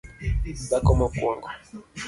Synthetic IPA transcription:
ɓakɔmokṵŋɡa

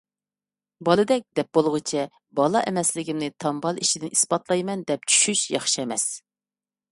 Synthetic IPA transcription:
bɑlˠɨd̪ɛk̚ʲd̪̥ɛp̚bolˠʁɨt͡ʃʰɛ | bɑlˠɑʔɛmɛslɪɡʲimnɪt̪ʰɑmbɑlˠiʃid̪ɪnʔispɑt̪lˠɑjmɛnd̪ɛp̚t͡ʃʰy̥ʃyʃjɑχʃiɛmɛs

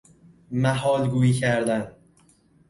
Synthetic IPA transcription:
mæɦɒːlɡuːiːcʰæɾd̪æn

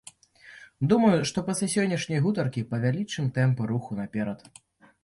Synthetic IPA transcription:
d̪umɐjuʂt̪ɔpɐsʲlʲasʲɔnʲːɐʂnʲɐjɣut̪ɐrkʲipɐvʲalʲit͡ʂɨmt̪ɛmpɨɾuxunapʲɛɾɐt̪

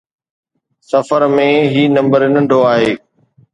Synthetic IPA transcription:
səfəɾmẽːɦiːnɐ̃mbəɾɪnə̃ɳɖʱoaːɦeː

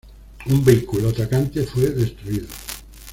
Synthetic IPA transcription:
umbeikuloat̪akant̪efweðest̪ɾuiðo

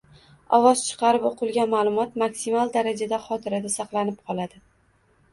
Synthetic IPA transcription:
ɒvɒz̥t͡ʃʰɨ̥qʰɑɾɪpoqʰɨlˠɡʲanmalˠʊmɒt̪maksimalˠd̪aɾad͡ʒad̪aχɒt̪ʰɪɾad̪asɑqlˠanɪp̚qʰɒlˠad̪ɪ

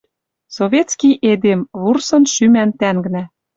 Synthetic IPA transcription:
soβʲet̪t͡skʲijʔed̪emβursɤ̆nʃymænt̪æŋɡnæ

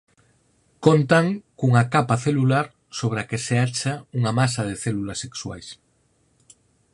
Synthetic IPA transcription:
kont̪aŋkuŋakapaθelulaɾ | soβ̞ɾakeseat͡ʃauŋamasaðeθelulasːekswa̰js

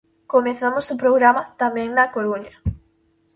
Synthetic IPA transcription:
komeθamosʊpɾoɣɾamɐt̪amɛ̃ŋnɐkoɾuɲɐ

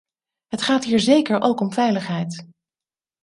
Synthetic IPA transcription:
ɦətχaːtɦiːɹzejkəɹʔowkɔmvɛjləχɦɛjt

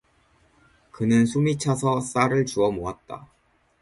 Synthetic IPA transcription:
kɯnɯnsʰumit͡ɕʰasʰʌs͈aɾɯɭt͡ɕuʌmoat̚t͈a̰

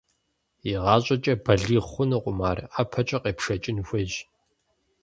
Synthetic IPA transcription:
iʁɑːɕʼɐt͡ʃʼɐbɐɮiːʁxʷʊnɨqʷʼʊmaːrapʰɐt͡ʃʼɐqeːpʂɐt͡ʃʼɪnxʷɐʑ

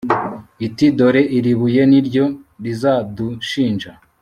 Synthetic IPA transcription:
itido̞ɾe̞ʔiɾiβuje̞niɾɟo̞ɾizaduʃiːnʒa

